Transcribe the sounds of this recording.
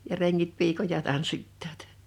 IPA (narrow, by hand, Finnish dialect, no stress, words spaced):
jɑ reŋːit piːkojɑ tɑnsːitːɑːt